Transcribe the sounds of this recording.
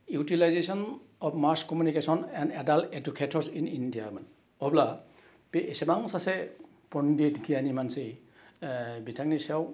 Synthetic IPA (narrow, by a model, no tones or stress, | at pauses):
jutilajzesɔnɔpmaskɔmjunikesɔnɛndɛdalted͡ʒukʰetʰɔɹsinindiaman | ɔbla | peːsɛbaŋsasɛ | pɔnditɡijanimansi | bitʰaŋnisɛw